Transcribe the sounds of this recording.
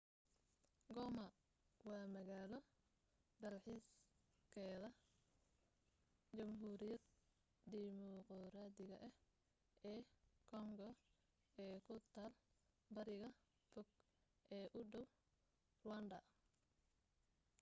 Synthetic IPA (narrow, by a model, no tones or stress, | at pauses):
ɡɔːmɐ | wɑːmɐɣaːlɔ | ɖɐlħiːs | kʰɛːðɐ | t͡ʃɐmɦuːɾɪjɐd̪̚ | d̪imɔqɔɾaːd̪ɪɣɐʔɐh | ɛːkʰɔŋɡɔ | ɛːkʰʊt̪ʰaːl | bɐɾɪɣɐ | fɔɡ̚ | ʔɛːʔʊɖɔw | rwɐnd̪ɐ